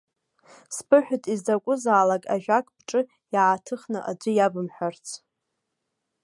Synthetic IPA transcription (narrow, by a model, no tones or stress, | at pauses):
spʰɨħʷᶣʊtʼizdakʷʼʊzaːlakʼa̰ʒᶣakʼbʈ͡ʂʼɨ | jaʕatʰɨχnɨʔa̰d͡ʒʷɨjabɨmħʷᶣart͡sʰ